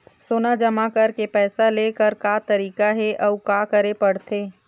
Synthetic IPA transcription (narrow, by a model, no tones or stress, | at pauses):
soːnad͡ʒɐmakɐɾkepɛːsaleːkəɾkaːt̪ɐɾiːkaɦɛʔɐukaːkɐɾepɐɽt̪ʰeː